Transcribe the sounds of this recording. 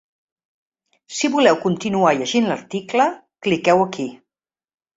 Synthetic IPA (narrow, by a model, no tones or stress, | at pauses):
siβulɛwkunt̪inuaʎəʒinləɾt̪iklə | klikɛwəki